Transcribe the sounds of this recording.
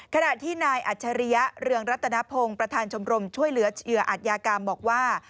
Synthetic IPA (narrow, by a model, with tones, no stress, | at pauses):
kʰa˧na˨˩t̪ʰiː˥˩naː˧jʔa˨˩t̪̚t͡ɕʰa˧ɾi˦˥ja˦˥ɾɯ˧əŋɾa˦˥t̪ʰːa˧na˦˥pʰo˧ŋpɾa˧t̪ʰaː˧nt͡ɕʰo˧mɾo˧mt͡ɕʰu˥˩əjlɯ˩˦ɐt͡ɕʰjɯ˩ɐʔa˨˩t̪̚jaː˧kaː˧mbɔː˨˩k̚waː˥˩